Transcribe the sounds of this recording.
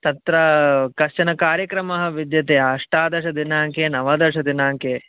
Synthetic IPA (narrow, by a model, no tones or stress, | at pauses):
t̪ɐt̪ɾɐkɐʃt͡ʃɐnɐkaːɾjɐkɾɐmɐɦɐ̆ʋid̪jɐt̪eːɐʂʈaːd̪ɐʃɐd̪inaːŋkeːnɐʋɐd̪ɐʂɐd̪inaːŋkeː